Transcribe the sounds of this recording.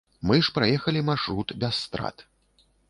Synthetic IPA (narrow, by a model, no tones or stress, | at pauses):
mɨʂpɾajɛxɐlʲimarʂɾut̪bʲɛsːt̪ɾa̰t̪